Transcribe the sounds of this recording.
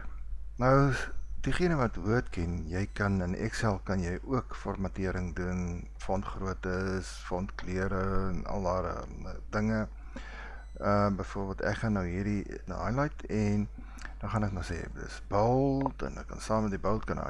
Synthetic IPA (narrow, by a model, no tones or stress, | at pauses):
nɐwd̥iχiənəvɐtvuərtkʰɛnjɛjkɐnənʔɛ̰ksɛlˠkɐnjɛjʔuəkfɔrmɐtiəɾəŋdun | fɔntχruətəs | fɔntkliəɾənɐ̰lˠdɑːr | dəŋə | əbəjfuərbiəlˠtæ̰kχɐnːəwɦiːrdin̰ɑ̰jlɐjtʰɛn | dɑχɐnɛkmɐsḛːdə̰sbəlˠtə̰nɛkːɐ̰nsɑːmət̚dibəlˠt̚kɐnɐ̰